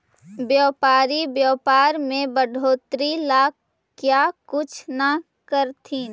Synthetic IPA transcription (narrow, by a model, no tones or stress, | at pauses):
bjɔːpaːɾibjɔːpaːɾmẽbəɖʱoːt̪ɾilaːk | kːjaːkʊt͡ʃʰna | kəɾt̪ʰi